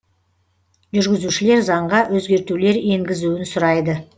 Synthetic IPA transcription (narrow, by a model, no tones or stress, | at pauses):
ʒʏɾɡʲɪzuʃɪle̞ɾzɑɴʁɑwʔɵzɡʲe̞ɾt̪ule̞ɾe̞ŋɡʲɪzuwɪnsʊɾɑjd̪ə